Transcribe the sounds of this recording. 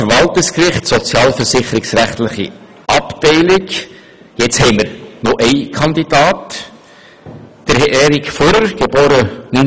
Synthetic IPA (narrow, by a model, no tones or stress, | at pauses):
əɾvɑltɪskrɪχtsɔt͡sjɑːlfəɾsɪχəɾɪksræχt̪lɪχḭ | ʔɑptɛɪlɪk | jɛt͡shɛɪməɾnɔʔɛɪkʰɑnd̪idɑːt | d̥əɾhɛʔɛːɾɪkfɔɾəɾɡ̥eboːɾəny